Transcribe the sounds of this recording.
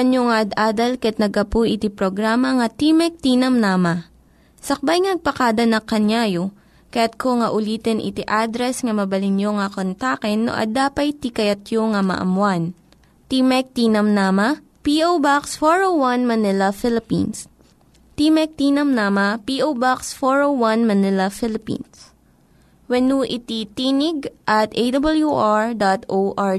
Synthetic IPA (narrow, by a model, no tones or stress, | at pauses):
ɐnjoŋaʔɐd̪aːd̪ɐlkɐɛt̪̚nɐɡɐpujʔɪt̪ipɾoɡɾaːmɐŋɐt̪imɛk̚t̪iːnɐmnamɐ | sɐk̚bajŋnɐɡ̚pɐkaːd̪ɐnɐkɐnjaːjo | kɐjat̪̚kʰoŋɐʔʊliːt̪ɛnʔɪ̰t̪iʔad̪ɾɛsŋɐmɐbɐlɪnjoŋɐkont̪akɛnːo̰ʔɐ̰d̪aːpɐjt̪ikɐjɐt̪̚joŋɐmɐ̰ʔɐ̰mwan | t̪imɛk̚t̪iːnɐmnamɐ | piʔowbaksfoɹowwɐnmɐnɪlɐfɪlɪpḭns | t̪imɛk̚t̪iːnɐmnaːmɐpiːʔowbaksfoɹowwɐnmɐnɪlɐfɪlɪpḭ̃ːns | wɛnuʔɪt̪it̪iːnɪɡ̚ʔɐt̪ʔejd̪ɐbɐljuʔaɹd̪at̪ʔoʔa